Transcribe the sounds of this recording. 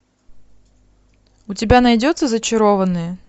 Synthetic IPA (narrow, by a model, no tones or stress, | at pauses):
ʊtʲɪbʲanɐjdʲot̪səzət͡ɕɪɾovənːɨjə